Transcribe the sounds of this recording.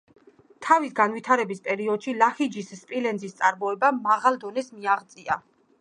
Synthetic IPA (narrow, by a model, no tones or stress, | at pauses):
t̪ʰavisɡanvwit̪ʰaɾɛbispʼɛɾiɔd̪̥ʃilaχid͡ʒisːpʼilɛnzist̪sʼaɾmɔɛbamaʁalˠd̪ɔnɛsmiaʁt̪sʼia̰